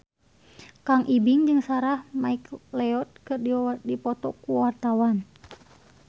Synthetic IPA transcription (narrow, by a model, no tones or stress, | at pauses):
kaŋʔibiŋd͡ʒɨŋsaɾahmaiklɛɔt̪̚kɨrdidipɔt̪ɔkuwart̪awan